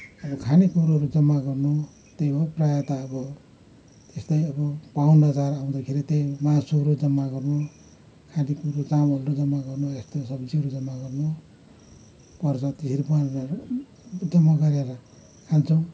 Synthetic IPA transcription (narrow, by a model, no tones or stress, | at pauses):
ʌbʌkʰanikuɾoɾud͡zʌmːaɡʌrnu | t̪ejbʌprajʌt̪aʌbʌ | t̪est̪ʌjʌbʌpawnʌd͡zaɾaw̃d̪akʰeɾit̪ejmasuɾud͡zʌmːaɡʌrnu | kʰanikuɾut͡samʌlɾod͡zʌmːaɡʌrnuest̪osʌbd͡ziɦʌɾud͡zʌmːaɡʌrnu | pʌrt͡sʰʌt̪isʰiɾipuanɾa | d͡zʌmːaɡʌɾaɾʌ | kʰant͡sʰʌw̃